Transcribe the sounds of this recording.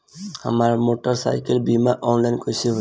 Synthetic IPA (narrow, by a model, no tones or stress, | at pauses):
hə̰maːɾmoːʈəɾsa̰ːɪkəlbimaʔoːnlaɪnkojsi